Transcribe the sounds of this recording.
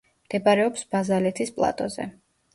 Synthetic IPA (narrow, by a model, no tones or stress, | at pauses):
md̪̥ɛbaɾɛɔpsbazalɛt̪ʰispʼlˠa̰t̪ʼɔzɛ̰